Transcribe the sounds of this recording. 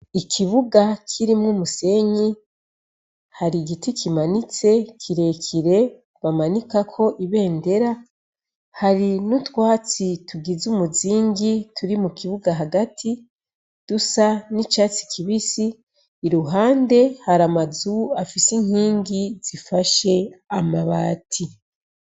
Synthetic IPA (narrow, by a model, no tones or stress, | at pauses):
ikʰiβuɡakʰiɾimŋumuse̞ɲi | haɾiɡitikʰimanit͡se̞kʰiɾe̞kʰiɾe̞ | βamanikakʰo̞ʔiβe̞ːnde̞ɾa | haɾinutwaːt͡sitʰuɡizumuziːŋɡitʰuɾimukiβuɡaɦaɡatʰi | d̥usanit͡ʃaːt͡si̥kʰiβisiː | ɾuɦaːnde̞haɾamazuafisiŋ̥hiːŋɡiz̥ifaʃe̞amaβaːtʰi